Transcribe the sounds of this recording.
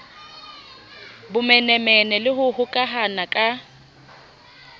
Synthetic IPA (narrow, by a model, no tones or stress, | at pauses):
bʊmɛnɛmɛnɛlɪɦʊhʊkʼaɦanakʼa